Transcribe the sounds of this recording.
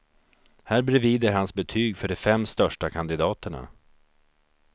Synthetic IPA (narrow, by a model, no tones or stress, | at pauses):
hæːɾbɾɛviːd̪əɾɦansbɛt̪ʰyːɡfœɖɛfɛmːst̪œʂʈakʰand̪ɪd̪ɑːt̪əɳa̰